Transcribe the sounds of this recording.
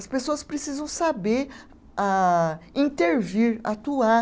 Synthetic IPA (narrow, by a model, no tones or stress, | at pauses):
ɐspesoɐspɾesizɐ̃w̃sabeɾ | aĩt̪eɾviɾa̰t̪ua